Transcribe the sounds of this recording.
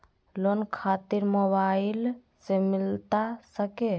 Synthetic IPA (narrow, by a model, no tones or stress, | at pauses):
lonkʰat̪iɾmoβaɪil | semilt̪asəke